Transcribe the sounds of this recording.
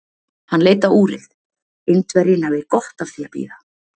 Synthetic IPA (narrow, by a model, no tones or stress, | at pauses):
hanːleːjt̪auːɾɪð | ɪnt̪vɛɾɪnavɪðkɔht̪afθiapḭːða